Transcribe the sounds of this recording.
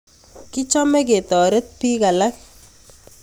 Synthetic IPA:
ki˦t͡ʃɔ˦me˦ke˨tɔ˨ɾe˦t̚pi˦ka˨la˦k̚

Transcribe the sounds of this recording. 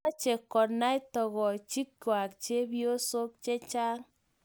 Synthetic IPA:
a˦t͡ʃe˨kːɔ˨na˦i˦tɔ˨ɣɔ˨t͡ʃi˦kːwa˨kt͡ʃe˦bjo˦so˦k̚t͡ʃe˦t͡ʃaː˦ŋ

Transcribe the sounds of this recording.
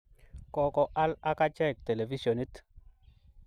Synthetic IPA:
kɔ˨kɔ˨ʔa˦la˦ka˦t͡ʃɛ˦˨k̚t̪e˨le˨vi˦ʃo˨ni˦t̪

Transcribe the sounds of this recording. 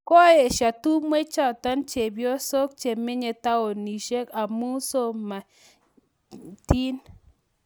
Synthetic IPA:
kɔ˦e˨ʃa˨tu˦mwe˦t͡ʃa˦ta˦nt͡ʃe˨bjɔ˦so˦k̚t͡ʃe˨mɪ˦ɲe˨ta˦o˨ni˨ʃe˦ka˨mu˦so˦ma˨ | ti˦n

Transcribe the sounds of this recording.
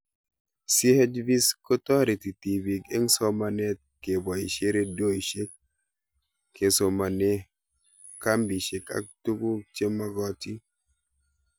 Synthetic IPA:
si˦hɛ˦d͡ʒvi˦skɔ˦tɔ˦ɾi˨ti˨ti˨bi˨ke˦ŋsɔ˦ma˨ne˦t̚ke˨bɔ˨i˨ʃe˦ɾe˦do˦i˨ʃe˦k | e˨so˨ma˨ne˦ | ka˦mbi˨ʃe˨ka̰˨˦k̚tu˦ɡu˦t͡ʃe˦ma˦ɡɔ˦ti˦

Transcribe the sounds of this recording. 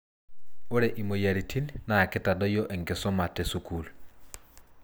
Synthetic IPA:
o˦ɾɛ˨ʔi˨mo˨ja˨ɾi˨tʰi˦nnaː˨kɪ˦ta˨dɔ˦jɔ˦ʔɛ˨ŋɡe˨sɔ˦ma˨tɛ˦su˦kul

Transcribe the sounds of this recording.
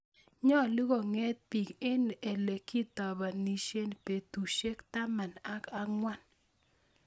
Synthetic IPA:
ɲɔ˦a˨lu˦ko˨ŋɛ˦t̪̚pi˨ke˦ne˨le˨ki˦t̪ɔ˨ba˨ni˨ʃe˦npe˨t̪u˨ʃe˦kt̪a˦ma˨na˦ka˦ŋwa˦˨n

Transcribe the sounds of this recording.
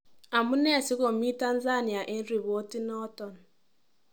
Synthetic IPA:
a˨mʊ˦ne˦˨si˦ko˨m̩˨˦i˦ta˦n̩˦za˦˨ni˨a˨ʔe˦n̩˦ɾi˨βo˦ti˦nɔ˦tɔ˨n̩˨

